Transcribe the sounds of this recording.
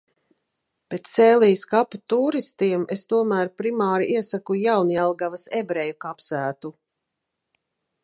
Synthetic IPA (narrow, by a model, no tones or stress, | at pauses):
pet̪seːliːskaput̪uːɾist̪iɛmest̪uɔmæːɾpɾimaːɾiiɛsakujawniɛlˠɡavasebɾɛjukapsæːt̪u